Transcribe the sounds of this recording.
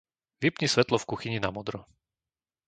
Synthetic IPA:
ʋipɲisʋɛt̪lɔfkuxiɲinamɔd̪ɾɔ

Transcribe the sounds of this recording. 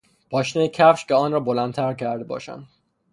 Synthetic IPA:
b̥ɒːʃnejecʰæfʃcʰeɒːnrɒːbolænt̪ʰæɾcʰæɾd̪ebɒ̰ːʃæ̰nd̪

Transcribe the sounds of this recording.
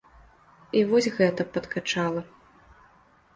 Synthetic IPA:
ivɔsʲɣɛt̪ɐpɐt̪kʰat͡ʂalˠɐ

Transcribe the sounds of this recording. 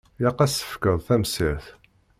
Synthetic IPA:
jɑqːæsə̥fkəðˤθæmsiɾθ

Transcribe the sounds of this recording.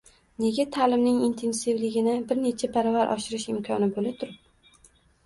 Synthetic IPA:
ne̞ɡʲat̪ʰalɪmnɪŋint̪ʰensɪvlɪɡʲɪnɪbɪɾne̞t͡ʃʰapʰaɾɒvaɾʔɒ̰ʃɪɾɪʃɪmkʰɒnɪbolɪt̪ʰʊɾɪp̚

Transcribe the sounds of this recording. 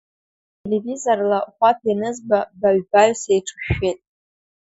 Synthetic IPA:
tʰelevizorlaχʷapʰanɨzbabaɥbaɥsejʈ͡ʂʰɨ̥ʃᶣːetʼ

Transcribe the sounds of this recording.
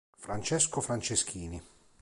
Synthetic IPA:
fɾant͡ʃɛskofɾant͡ʃesk̟ʰiːni

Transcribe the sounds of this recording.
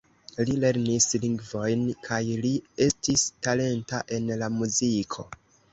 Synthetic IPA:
lile̞ɾnisliŋɡvo̞jnkʰajlie̞stistale̞ntaʔe̞nlamuzikʰo̞̰

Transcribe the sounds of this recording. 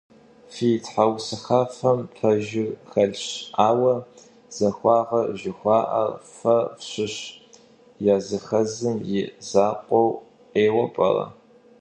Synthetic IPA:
fitħawsɨxɐfɐmtʰɐʒɪrxɐɮɕaːwɐ | z̥ɐxʷɑːʁɐʒɪxʷɑːʔɐ̰rfɐfɕɪɕ | jaːzɨxɐzɨmjɪzaːqʷʼɔw | qeːwɐpʼɐ̰rɐ̰

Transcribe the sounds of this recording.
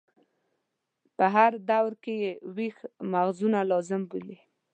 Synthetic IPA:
pəɦaɾd̪awɾkejewixmaɣzunalɑzɪmbuli

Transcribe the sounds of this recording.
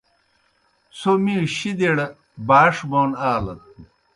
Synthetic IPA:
somiɕid̪eɽɐ | baːʂmoːnaːlɐt̪̚u

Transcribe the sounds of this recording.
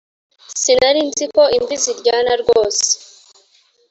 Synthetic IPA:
sinaɾinziko̞imbiziɾɟaːnaɾɡoːse̥

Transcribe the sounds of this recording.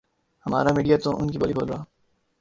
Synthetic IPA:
hɐma̰ːɾamiːɖijat̪oʔʊnkibɐlibʱoːlɾaː

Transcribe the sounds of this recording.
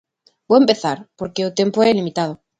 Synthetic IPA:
boempe̞θaɾpoɾkeot̪e̞mpoelimit̪að̞o

